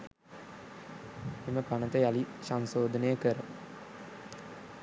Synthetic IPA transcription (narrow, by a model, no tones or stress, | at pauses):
eməkanət̪əjalisansoːd̪ənəjəkəɾə